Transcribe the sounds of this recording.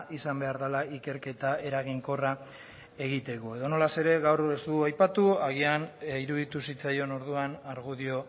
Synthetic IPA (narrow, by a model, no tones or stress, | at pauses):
isambe̞aɾðalaike̞ɾke̞t̪ae̞ɾaɣ̞iŋko̞ra | e̞ɣit̪e̞koe̞ðo̞no̞lase̞ɾe̞ɣawrest̪uajpat̪uaɣ̞ianiɾuðit̪usit͡sajo̞no̞ɾðuanaɾɣuðio̞